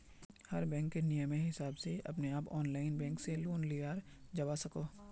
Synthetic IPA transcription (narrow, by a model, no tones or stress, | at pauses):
hɐɾbɛ̃ːŋkːenijəmeɦɪsaːbseʔɐ̰pneaːpɔːnlaːɪnbɛ̃ːŋkseloːnliːaːɾ | d͡ʒɐʋasɐkoː